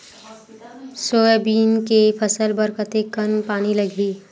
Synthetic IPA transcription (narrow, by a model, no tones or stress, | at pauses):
soːbiːnkepʰəsəlbəɾkət̪ekənpaːniləɡʱiː